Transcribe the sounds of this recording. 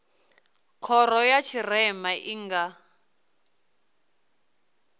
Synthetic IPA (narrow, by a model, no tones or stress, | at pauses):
kʰɔɾɔjat͡ʃʰirɛmaʔiŋɡa